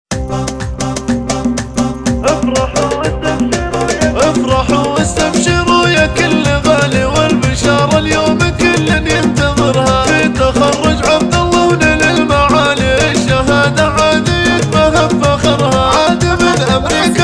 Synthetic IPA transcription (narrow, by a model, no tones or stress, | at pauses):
ʔafɾˤɑħuʔɪst̪amʃiɾjaʔafɾˤɑħuʔɪst̪amʃiɾʊjakɪlːaɣaːliwɪlbɪʃɑːɾˤɑljoːmkɪlːɪnjɪnt̪ɑðˤɨɾhaɪt̪axɑrˤːʊd͡ʒʕab̚d̪ɑlˤːɑnɪlɪlmaʕaːliɪʃaɦaːd̪aʕaːd̪ijɪt̪mahabfaxɑɾˤhaʕaːd̪imɪnʔamɾiːka